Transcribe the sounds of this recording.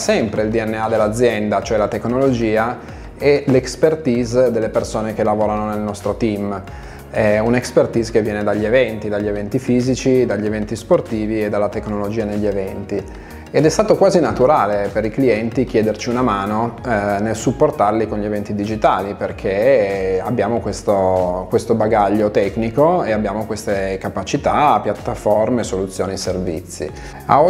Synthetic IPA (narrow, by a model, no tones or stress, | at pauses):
sɛmpɾeild̪iɛnːead̪elːad̪zːjɛnd̪at͡ʃoɛlat̪ekːnolod͡ʒiːa | ɛlekspert̪iːzd̪elːepersoːnek̟elavoːɾanonelnɔst̪ɾot̪im | ɛunekspert̪izkevːjɛːned̪aʎːievɛnt̪id̪aʎːievɛnt̪ifiːzit͡ʃid̪aʎːievɛnt̪isport̪iːvied̪alːat̪eknolod͡ʒiːaneʎːievɛnt̪i | ed̪ɛst̪aːt̪okwaːzinat̪uɾaːlepeɾikliɛnt̪ik̟jɛːd̪ert͡ʃiunamaːnonelsupːort̪arlikonʎievɛnt̪id̪id͡ʒit̪aːliperkʰeabːjaːmokwest̪okwest̪obaɡaʎːot̪ɛknikoeabːjaːmokwest̪ekapat͡ʃit̪apjat̪ːaformesolut̪sːjoːniservḭt̪sːḭ | a̰o